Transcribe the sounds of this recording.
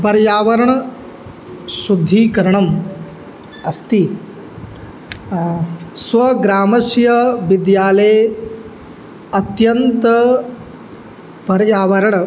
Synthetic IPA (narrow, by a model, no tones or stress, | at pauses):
pɐɾjaːʋɐɾɐɳɐ | sud̪ʱːiːkɐɾɐɳɐm | ɐst̪i | sʋɐɡɾaːmɐsjɐʋid̪jaːleː | ɐt̪jɐnt̪ɐ | pɐɾjaːʋɐɾɐɳɐ